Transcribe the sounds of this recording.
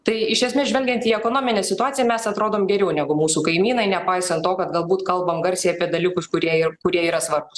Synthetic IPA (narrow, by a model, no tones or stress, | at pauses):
t̪ɐɪɪʃʲɛsʲmʲeːsʒʲʋɛlʲɡʲɛnt̪iːɛkoːnoːmʲɪnʲɛːsʲɪt̪ʊɑːtt͡sʲɪjɛmʲɛsɐt̪ɾoːd̪oːmɡʲɛɾʲɛʊnʲæɡʊmuːsuːkɐɪmʲiːnɐɪnʲɛpɐɪsɐnt̪t̪oːkɐt̪̚ɡɐlˠbuːt̪kɐlˠbɐmɡɐɾʲsʲeːɐpʲiɛd̪ɐlʲɪkʊskʊɾʲiɛikʊɾʲiɛiːɾɐsʋɐrbʊs